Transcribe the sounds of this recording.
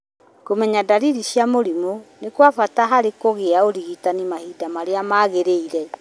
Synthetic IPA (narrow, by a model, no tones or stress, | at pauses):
komɛɲadaɾiɾiɕjamoɾimonekwafataɦaɾekoɣeaoɾiɣitanimahidamaɾeamaːɣeɾeiɾɛ